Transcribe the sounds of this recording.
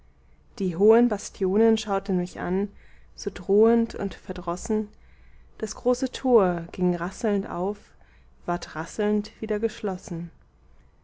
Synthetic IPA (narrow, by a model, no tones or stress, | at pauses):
d̥iːɦoːənbastʰjoːnənʃaʊtn̩mɪçʔa̰nz̥oːdʁoːəntʰʊ̰ntfɛɐdʁɔsn̩ | d̥asɡ̥ʁoːsətʰoːɐɡ̥ɪŋʁasl̩ntʔa̰ʊf | v̥aːɐtʁasl̩ntv̥iːdɐɡəʃlɔsn̩